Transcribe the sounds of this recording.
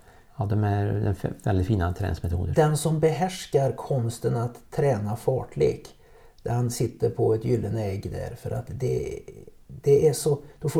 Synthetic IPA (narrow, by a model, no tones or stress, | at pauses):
ɑːd̪ɔmæɾd̪ɛnvɛld̪ɪt̪fiːnat̪ʰɾɛ̰nɪŋsmɛt̪ʰuːd̪əd̪ɛnsɔmbɛɦæʂkaɾkʰɔmst̪ənat̪ʰːɾɛːnafɑ̰ːʈɭḛːk | d̪̥æɾhansɪt̪ːəɾpʰɔɛt̪jʏlːənəɛɡːd̪æ̰ɾfœɾʔa̰t̪d̪ɛ | d̪̥ɛæʂɔd̪̥ɔf